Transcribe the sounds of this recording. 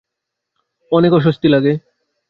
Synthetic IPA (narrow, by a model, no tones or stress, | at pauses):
ɔnekoʃ̬ost̪ilaɡe